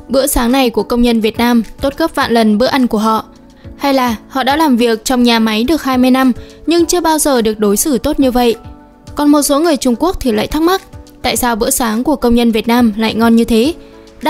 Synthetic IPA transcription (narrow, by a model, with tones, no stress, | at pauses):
ɓɨ̰˧˥əsaː˨˦ŋna˨˩jku˧˩əkə˧wŋ͡mɲə˧nvi˨˩ət̚naː˧mt̪o˦˥t̚ɣə˦˥p̚va̰ː˧˨nlə˨˩nɓɨ̰˧˥əʔa˧jnku˧˩əɦɔ̰˧˨ | ha˧jlaː˨˩hɔ̰˧˨ɗa̰ː˧˥laː˨˩mvi˨˩ək̚t͡ɕɔ˧wŋ͡mɲaː˨˩ma˨˦jɗɨ˨˩ək̚haː˧jmɨ˧əjna˧mɲɨ˧ŋt͡ɕɨ˧əɓaː˧wzəː˨˩ɗɨ˨˩ək̚ɗo˨˦jsɨ˧˩t̪o˦˥t̚ɲɨ˧və̰˧˨jʔ | kɔ˨˩nmo˨˩t̚so˨˦ŋɨ˨˩əjt͡ɕʊ˧ŋ͡mku˦˥ək̚t̪ʰi˨˩la̰ː˧˨jt̪ʰa˦˥k̚ma˦˥t̚t̪a̰ː˧˨jsaː˧wɓɨ̰˧˥əsaː˨˦ŋku˧˩əkə˧wŋ͡mɲə˧nvi˨˩ət̚naː˧mla̰ː˧˨jŋɔ˧nɲɨ˧t̪ʰe˨˦ | ɗ